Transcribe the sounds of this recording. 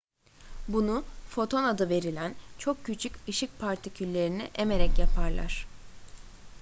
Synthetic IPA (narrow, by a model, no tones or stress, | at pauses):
bunufo̞t̪ʰo̞nad̪ɯve̞ɾilʲænt͡ʃʰo̞kcːyt͡ʃʰycɯʃic̚pʰaɾt̪ʰicʰylʲːe̞ɾiniʔeme̞ɾɛcjapʰaɾlˠa̰ɾ̥